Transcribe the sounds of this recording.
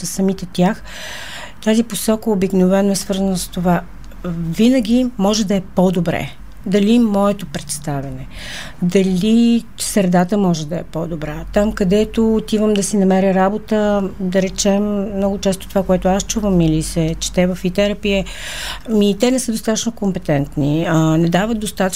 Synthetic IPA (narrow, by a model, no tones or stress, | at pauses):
sɐmit̪ɛt̪ʲjax | t̪aziposɔkəobiknovɛnoɛsvɤɾzənəst̪ova | vinəɡ̟ʲimɔʒɛd̪ɐɛpɔd̪obɾɛ̰ | d̪ɐlimɔɛt̪opɾɛt̪st̪avɛnɛ | d̪ɐlʲi | sɾɛd̪at̪əmɔʒɛd̪ɐɛ̰pɔd̪obɾat̪amkɐd̪ɛt̪oːt̪ivəmd̪ɐsinɐmɛɾəɾabot̪əd̪ɐɾɛt͡ʃɛmːnɔɡʊt͡ʃɛst̪o̥t̪ovakoɛt̪ʊast͡ʃuvəmilisɛt͡ʃɛ̥t̪ɛvɐfit̪ɛɾɐpiɛ | mit̪ɛnɛsəd̪ost̪at̪ət͡ʃnokompɛt̪ɛnt̪niənɛd̪avət̪̚d̪ost̪at̪ə